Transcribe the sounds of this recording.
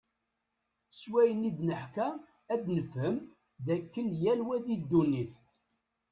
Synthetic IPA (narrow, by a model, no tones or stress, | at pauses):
swæjənid̪nəħkæ | æd̪nəfhəm | ðækːənjælwæðid̪ːunːiθ